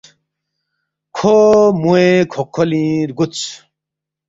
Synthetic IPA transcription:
kʰomuekʰokʰːɔlĩɾɡut͡sʰ

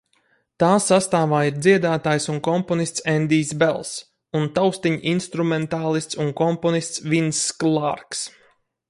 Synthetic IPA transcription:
t̪aːsast̪aːvaːiɾd̪ziɛd̪aːt̪aːjsunkɔmpɔnist̪sɛnd̪iːsbɛlˠs | unt̪awst̪iɲʔinst̪ɾumɛnt̪aːlˠist̪sunkɔmpɔnist̪svʲinsːklˠaɾks

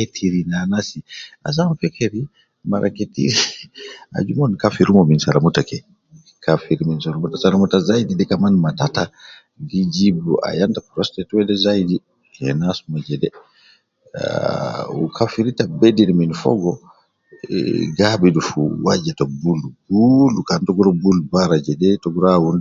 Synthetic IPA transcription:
ketʰiɾinanasia̰samfɛkʰeɾi | maɾʔa̰ketḭɾi | a̰d͡ʒumɔnkafiɾumɔminsaɾamutakɛ | kʰafiɾiminsaɾamutasaɾamutazajdidɛkamanmatata | did͡ʒibuʔa̰jantapɾɔstɛtuwɛdɛzajidi | hɛ̰nasumad͡ʒɛdɛ | ṵkʰafiɾitabediɾminfɔ̰ɡɔ | ɡabidufuwad͡ʒɛtabulubulukantɔɡɔɾɔbulbaɾad͡ʒɛdɛtɔɡuɾawund

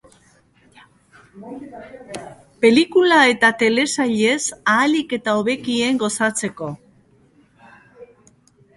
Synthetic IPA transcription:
pe̞likulae̞t̪at̪e̞le̞saʎe̞saːlike̞t̪aoβe̞kie̞ŋɡo̞sat͡se̞ko̞

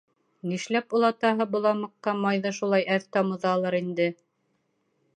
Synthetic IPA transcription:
niʃlæpulˠɑt̪ɑɦɤbŏlˠɑmɤ̆qːɑmɑjðɤʃulˠɑjæðt̪ɑmɤ̆ðɑlˠɤɾind̪ɘ

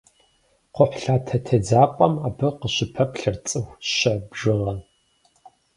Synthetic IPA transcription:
qʷʊħʷɬaːtʰɐtʰɐd͡zaːpʼɐmaːbɨqəɕɪpʰɐpɬɨrt͡sʼɨwɕɐbʒɨʁɐn

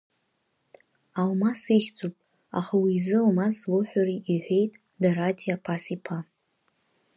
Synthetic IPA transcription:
awmasiχʲd͡zʼupʼ | a̰χawizɨawmaslʊħʷᶣariʔiħʷᶣe̞jtʼ | daɾatʰʼiapʰasipʰa

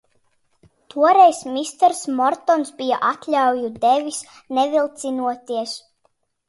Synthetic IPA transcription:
t̪uɔɾɛjsmist̪ɛɾsmɔɾt̪ɔnsbijaʔat̪lʲawjud̪ɛvʲis | nɛvilˠt̪sinuɔt̪iɛs

